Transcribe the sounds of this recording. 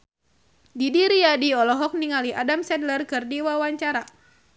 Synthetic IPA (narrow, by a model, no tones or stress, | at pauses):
didiɾiadiɔlɔɦɔk̚niŋaliadamsɛdlərkɨrdiwawaɲt͡ʃaɾa